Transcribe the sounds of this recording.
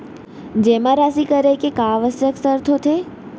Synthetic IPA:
d͡ʒemãɾasikəɾekekãːʋəsjəksəɾt̪ʰot̪ʰe

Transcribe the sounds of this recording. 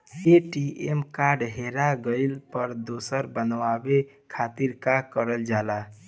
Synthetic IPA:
eʈiemkaɾɖɦeɾaɡəɪlpəɾd̪osəɾbənʋabe | kʰat̪iɾkakəɾəld͡ʒala

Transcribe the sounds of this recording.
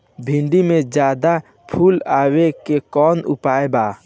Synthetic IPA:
bʱĩɳɖimẽd͡ʒaːd̪a | pʰuːlaːwekekɔːnʊ̰paːebaː

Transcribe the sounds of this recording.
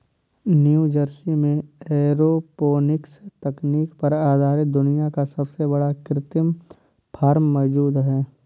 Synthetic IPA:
njuːd͡ʒəɾsimẽɛːɾopoːnɪkst̪ɐkniːkpɐɾaːd̪ʱaːɾɪt̪̚d̪ʊnijakasɐbsebɐɽakɾɪt̪ɪm | pʰaːɾmːɔd͡ʒuːd̪ɦɛː

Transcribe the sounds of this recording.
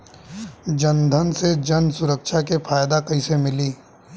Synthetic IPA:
d͡ʒənd̪ʱənsed͡ʒənsʊɾəkʃakefʰaːjd̪akɐɪsemɪliː

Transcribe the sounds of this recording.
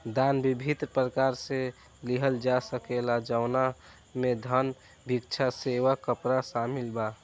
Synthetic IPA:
d̪anbibʱit̪ɾpɾəkaɾse | liɦəld͡ʒasəkelad͡ʒaʊna | med̪ʱən | bʱikt͡ʃʰaseʋakəpɾasamilba

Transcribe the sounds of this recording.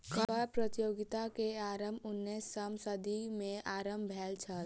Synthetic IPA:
kəəpɾət̪ijoːɡɪt̪akeaːɾəmbʊnːesːəmsəd̪ʱimẽʔaːɾəmbʱɛːlt͡ʃʰəl

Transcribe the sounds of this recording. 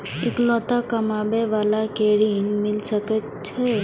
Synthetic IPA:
eklɔt̪akəmabeʋalakeɽinmɪlʃəke | t͡ʃʰe

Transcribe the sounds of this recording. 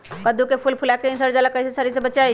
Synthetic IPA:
kəd̪ukepʰulpʰulakeinsəɾd͡ʒalakəisesəɾis̬ebət͡ʃaj

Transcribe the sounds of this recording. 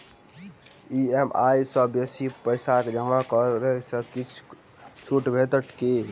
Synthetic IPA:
iemajsə̃besipəjsaked͡ʒəŋɡakəɾesə̃kit͡ʃʰ | t͡ʃʰuʈbʱet̪əʈʰke

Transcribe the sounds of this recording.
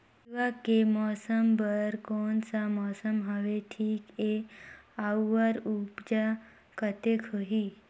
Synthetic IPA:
iʋakemɔsəmbəɾkoɳt͡samɔsəmɦəʋeʈʰiːke | awːəɾupd͡ʑa | kət̪ekʰəɦi

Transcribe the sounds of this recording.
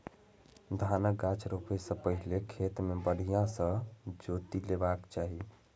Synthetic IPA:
d̪ʱanək̚ɡat͡ʃʰɾopesə̃pəɦilekʰet̪mebəɽ̤ijãsə̃d͡ʒot̪ilebakt͡ʃaɦi

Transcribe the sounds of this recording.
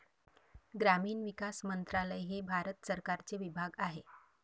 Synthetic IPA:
ɡɾamiːnʋikasmənt̪ɾaləjɦebʱaɾət̪səɾkaɾt͡seʋibʱaɡaɦe

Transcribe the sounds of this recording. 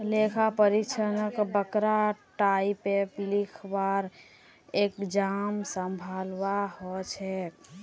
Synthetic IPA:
lekʰapəɾikt͡ʃʰənəkbəkɾaʈaipeplikʰbaɾ | ekd͡ʒamsəmbʱalwaɦɔt͡ʃʰɛ

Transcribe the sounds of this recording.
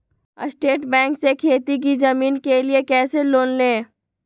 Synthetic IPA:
əsʈeːʈbɛ̃ːŋksekʰeːt̪ik̬izɐmiːnkeliekɛːseloːnlẽː

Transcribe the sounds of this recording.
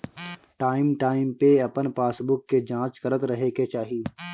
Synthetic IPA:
ʈaːɪmʈaːɪmpeɐpənpaːsbʊkːed͡ʒãːt͡ʃkɐɾət̪ɾɐɦeket͡ʃaːɦieː

